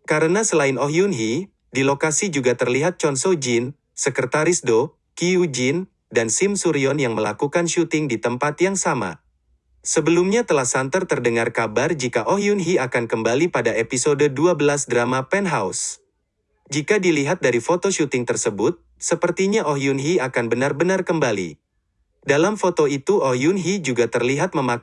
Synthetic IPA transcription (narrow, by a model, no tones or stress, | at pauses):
kaɾənasəlaɪnɔɦjunɦi | dilokasid͡ʒuɡat̪ərliɦat̪̚t͡ʃɔnsɔd͡ʒin | səkərt̪aɾisdo | kiud͡ʒin | dansimsuɾiɔnjaŋməla̰kukanʃut̪ɪŋdit̪əmpat̪jaŋsama̰ | səbəlumɲat̪əlahsant̪ərt̪ərdəŋarkabard͡ʒikaʔɔɦjunɦiakankəmbalipadaepisodəduabəlasdɾamapɛnɦaus | d͡ʒikadiliɦat̪̚daɾifot̪oʃut̪ɪŋt̪ərsəbʊt̪̚ | səpərt̪iɲaʔɔɦjunɦiakanbənarbənarkəmbalḭ | dalamfot̪oit̪uʔɔhjunɦid͡ʒuɡat̪ərliɦat̪̚məma